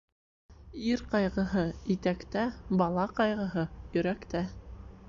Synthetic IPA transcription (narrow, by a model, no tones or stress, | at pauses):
iɾqɑjʁɤ̆ɦɤit̪ækt̪æbɑlˠɑqɑjʁɤ̆ɦɤjɵ̆ɾækt̪æ